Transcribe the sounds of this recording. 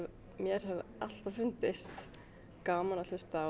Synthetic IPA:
mjɛɾ̥hɛval̥t̪avfʏnt̪ɪst̪ | kaːmanalʏst̪a

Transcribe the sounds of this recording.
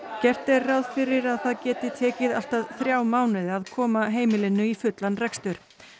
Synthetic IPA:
cɛr̥t̪ɛrrawð̥fɪɾɪɾaðθaðcɛːt̪ɪt̪ʰɛːcɪðal̥t̪aðθɾjaːwmaːwnɪðaðkʰɔːmaɦeːjmɪlɪnːʏifʏt̪lanrɛkst̪ʏɾ̥

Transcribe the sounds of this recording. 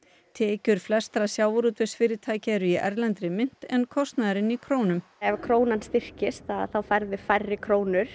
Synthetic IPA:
t̪ʰɛːcʏɾ̥flɛst̪ɾasjaːwɾuːt̪vɪsfɪːɾɪt̪ʰaːjcɪɛɾʏiʔɛɾlɛnt̪ɾɪmɪn̥t̪ɛnkʰɔst̪naðɾɪnikʰɾoːwnʏmɛvkʰɾoːwnanst̪ɪr̥cɪst̪aðθawfaɾðɪfajrːɪkʰɾoːwnʏɾ̥

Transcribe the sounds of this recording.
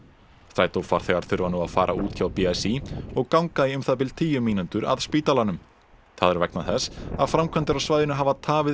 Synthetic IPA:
st̪ɾajt̪owfaɾ̥θɛɣaɾ̥θʏɾvanuaðfa̰ːɾʔa̰uːt̪çawpiasiɔɣkawŋkaðiʏmθaðp̬ɪlt̪ʰiːjʏmiːnʏnt̪ʏɾa̰ðspiːt̪alanʏm | θaðɛɾvɛknaθɛsaðfɾamkʰvɛnt̪ɪɾawsvaːjðɪnʏɦavat̪ʰaːvɪ

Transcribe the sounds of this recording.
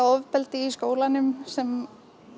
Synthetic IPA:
aɔvpɛlt̪ɪiskoːwlanːʏmsɛm

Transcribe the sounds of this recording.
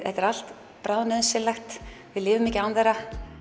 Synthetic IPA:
ɛht̪ɛɾal̥t̪ | pɾaːwðnʏðnsɛlaxt̪vɪðlɪːvʏmːicɪaːwnθɛɾa

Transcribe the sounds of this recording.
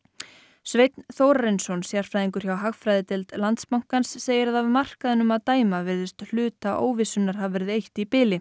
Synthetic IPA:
svejt̪nθowɾaɾɪnsɔnsjar̥fɾajðiŋkʏɾ̥çawɦaxfɾajðɪt̪ɪlt̪lant̪spawŋ̥kansːeːjɪɾaðavmar̥kaðɪnʏmaðt̪aːjmavɪɾðɪst̪l̥ʏːt̪aʔo̰ːwvɪsʏnːaɾ̥havvɛɾɪðejht̪ipɪːlɪ

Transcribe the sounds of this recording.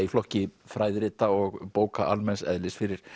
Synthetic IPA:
iflɔhcɪfɾaːjðɾɪːt̪aɔɣpoːwkaʔa̰lmɛnsɛ̰ðlɪsfɪɾɪɾ̥

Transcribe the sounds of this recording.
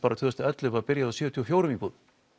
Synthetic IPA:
paːɾat̪ʰʏːðast̪ɪɛt̪lɪvapɪɾjaðasjœːt̪ʰiɔfjoːwɾʏmikuð

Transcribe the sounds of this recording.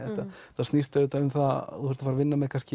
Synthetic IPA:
ɛht̪aθast̪nist̪aʏːt̪aʏmθaθuhɛɾ̥t̪afaɾavɪnːamɛkʰanscɪ

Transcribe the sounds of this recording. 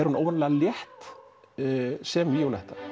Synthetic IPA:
ɛɾhunoːwvanlɛɣaljɛht̪ | sɛmvɪjowlɛjht̪ḁ

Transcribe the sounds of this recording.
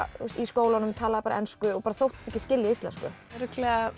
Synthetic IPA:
ust̪iskoːwlanʏmt̪ʰaːlaðɪpaɾa̰ɛnskʏɔpaɾaθowht̪ɪ̥st̪ɛhcɪscɪljaist̪lɛ̰nskʏ̰ɛɾʏklɛɣa

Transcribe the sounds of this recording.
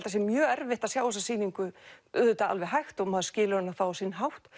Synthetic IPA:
lt̪asɛmjœːɛɾvɪht̪asjaːwɔsasiːniŋkʏʏ̰ðʏt̪aa̰lvɛɦajxt̪ɔɣmaːðscɪːlɪɾanːaθawɔsinɦawht̪

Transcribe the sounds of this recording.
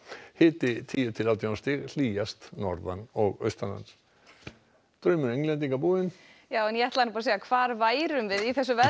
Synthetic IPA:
hɪːt̪ɪt̪ʰiːjʏt̪ʰɪlawt̪janst̪ɪɣl̥iːjast̪nɔ̰ɾða̰nɔɣœ̰ɥst̪anha̰ns | t̪ɾœɥmʏɾeŋlɛnt̪̬iŋkapuːɪn | jaːwɛnjɛɛht̪lanpaɾasejɣakʰvaːɾvaːjɾʏmvɪðiθɛsːʏvɛ

